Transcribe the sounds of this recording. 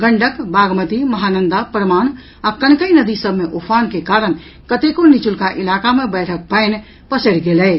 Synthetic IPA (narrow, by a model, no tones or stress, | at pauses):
ɡəɳɖəkbaɡmət̪iməɦanənd̪apɾəman | akənkəjnəd̪isəbʱmeʔopʰankekaɾən | kət̪ekonit͡ʃulkaʔilakamebəɪʈʰək̚pəɪn | pəsəɽɡelɛɪt͡ʃ